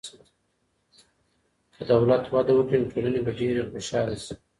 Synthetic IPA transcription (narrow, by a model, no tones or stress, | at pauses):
d̪̥əd̪awlat̪wad̪awəkɽinʈʰolənebaɖeɾexoʃɑːlesi̥